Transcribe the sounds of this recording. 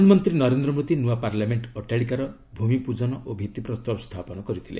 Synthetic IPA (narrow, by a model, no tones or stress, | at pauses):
nmɔnt̪ɾinɔɾend̪ɾɔmod̪inuapaɾlameɳʈɔʈjaɽikaɾɔ | bʱumipud͡ʒɔnɔʔobʱit̪ipɾɔst̪ɔbst̪ʰapɔnɔkɔɾit̪ʰilḛ